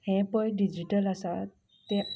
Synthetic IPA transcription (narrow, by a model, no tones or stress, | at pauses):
hɛ̃pə̃jɖid͡ʑiʈələsa | t̪e